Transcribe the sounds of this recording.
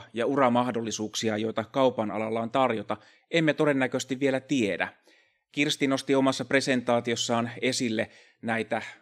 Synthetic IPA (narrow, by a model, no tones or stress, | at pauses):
jɑurɑmɑhdolːisuːksiɑjo̞jt̪ɑkɑupɑnɑ̰lɑlːɑont̪ɑrjot̪ɑ | ʔemːet̪o̞de̞nːækøst̪iʋʋielæt̪iedæ̰ | kirst̪ino̞st̪io̞mɑsːɑpre̞se̞nt̪ɑːt̪io̞sːɑːne̞silːe | næit̪æ